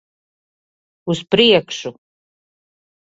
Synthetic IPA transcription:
uspʰrijakʰʂu

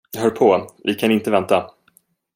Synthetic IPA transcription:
ɦœːɾpʰɔvɪkʰanɪnt̪əvɛnt̪a

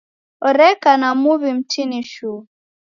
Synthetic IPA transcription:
ɔɾɛkanamuβim̩t͡ʃiniʃu

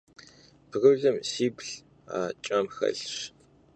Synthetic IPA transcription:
pɣɨwɮɨmsiːpɬ | a̰ːt͡ʃʼɐmxɐ̰ɮɕ

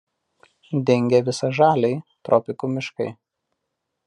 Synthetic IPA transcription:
d̪ʲɛŋʲɡʲɛʋʲɪsɐʒɑːlʲɛɪt̪ɾʔɔpʲɪkumʲɪʃkɐɪ

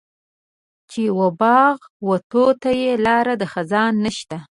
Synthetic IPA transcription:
t͡ʃewobɑɣ | wat̪ot̪ajelɑɾad̪əxazɑnːəʃt̪a

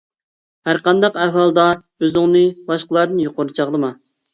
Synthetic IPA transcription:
hæɾqɑnd̪ɑqæɦɑlˠd̪ɑ | øzɪŋnɨbɑʃqəlˠɑɾd̪ɨnjoqʊɾɨt͡ʃʰɑʁd̪ɨmɑ

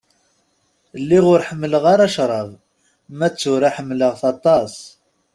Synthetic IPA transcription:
lːiʁʊɾħəmːləʁaɾaʃɾˤɑðˤ | mæt͡sːʊɾaħəmːləʁθɑt̪ˤɑs

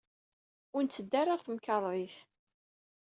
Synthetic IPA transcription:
ʊɾnt͡sːəd̪ːæɾˤaɾθəmkɑɾˤiθ

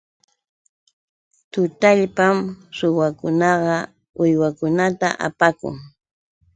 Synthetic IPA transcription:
t̪ʊt̪aʎpamsʊwakʊnɑɢɑ | ʊjwakʊnat̪a̰ʔa̰pakʊ̰ŋ

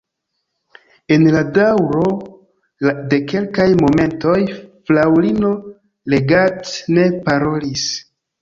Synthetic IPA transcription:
e̞nladawɾo̞ | de̞ke̞lkajmo̞me̞nto̞jflawlino̞ | le̞ɡatne̞paɾo̞lis

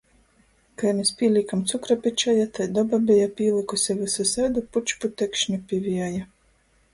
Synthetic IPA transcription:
kajnʲisʲpʲiːlʲikamt̪sukɾapʲit͡ʃajat̪ajd̪ɔbabʲɛjapʲiːlˠikusʲɛvɨsusad̪uput͡ʃput̪ɛkʃnʲipʲivʲijaja

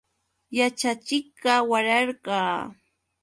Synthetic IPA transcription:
jat͡ʃat͡ʃɪk̚ɢɑwaɾɑɾɢɑː

